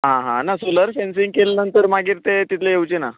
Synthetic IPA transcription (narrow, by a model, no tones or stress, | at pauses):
ɦãɦã̰nasoləɾfensĩŋɡ̚kelanənt̪əɾmaɡiːɾt̪et̪it̪ʰleewt͡ɕena